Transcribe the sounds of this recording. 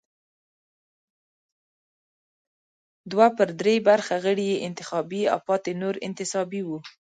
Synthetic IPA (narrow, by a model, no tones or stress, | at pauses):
d̪wapəɾd̪ɾebaɾxaɣəɽijeʔɪnt̪ɪxɑbia̰wpɑt̪enoɾɪ̰nt̪ɪsɑbiwu